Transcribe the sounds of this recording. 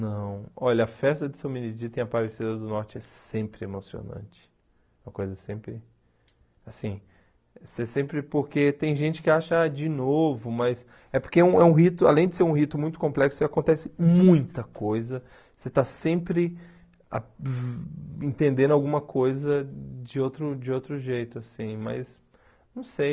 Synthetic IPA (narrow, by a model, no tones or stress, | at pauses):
nɐ̃w̃ɔʎɐɐfɛst̪ɐd͡ʒ̪ɪsɐ̃w̃minid͡ʒit̪ẽɐpavesed̪ɐd̪ʊnɔɾt͡ʃɪɛsẽmpɾɪemosio̰nɐ̰̃nt͡ʃɪ̥ | ɛmɐkojzɐsẽmpɾɪ | asĩ | sesẽmpɾɪpoɾket̪ẽj̃ʒẽnt͡ʃɪ̥kɪaʃɐad͡ʒɪnovʊmɐs | ɛpoɾkeɛũɛũɦit̪ʊa̰lẽj̃d͡ʒ̪ɪseɾũɦit̪ʊmũj̃t̪ʊ̥kõmplɛksʊakõnt̪ɛsɪmũj̃t̪ɐkojzɐ | set̪asẽmpɾɪ | a̰ | ẽnt̪ẽnd̪ẽd̪ʊawɡũmɐkʰojzɐd͡ʒɪowt̪ɾʊd͡ʒɪowt̪ɾʊʒejt̪ʊasĩmɐ̰s | nɐ̃w̃sej